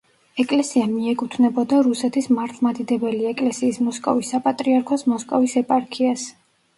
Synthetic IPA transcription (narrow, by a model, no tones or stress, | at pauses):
ɛkʼlɛsiamiɛkʼut̪ʰnɛbɔd̪aɾusɛt̪ʰismaɾt̪ʰˠmad̪id̪ɛbɛliɛkʼlɛsiːsmɔskʼɔ̰visːapʼat̪ʼɾiaɾkʰɔsmɔskʼɔvisɛpʼaɾkʰias